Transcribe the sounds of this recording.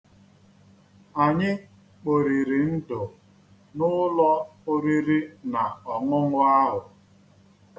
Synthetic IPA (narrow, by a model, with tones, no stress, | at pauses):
a˨ɲɪ˦ | k͡po˨ɾi˨ɾi˨n̩˦dʊ˨ | nʊ˦lɔ˦o˦ɾi˦ɾi˦na˨ɔ˨ŋʊ˦ŋʊ˦a˦ɦʊ˨